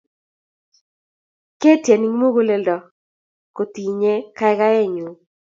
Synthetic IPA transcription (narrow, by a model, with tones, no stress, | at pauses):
ke˦tje˨ni˦ŋ˦mo˦ɣo˦le˨ldɔ˨ | ko˨t̪i˨ɲe˦ka˦ɛ˦ɡa˦ɛ˦˨ɲu˨